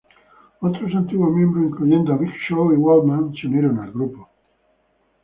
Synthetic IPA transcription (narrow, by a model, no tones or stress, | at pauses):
ot̪ɾos̬ant̪iɣwomjembɾoiŋkluʝend̪oaβikʃoiwalmãnsunjeɾonalɣɾupo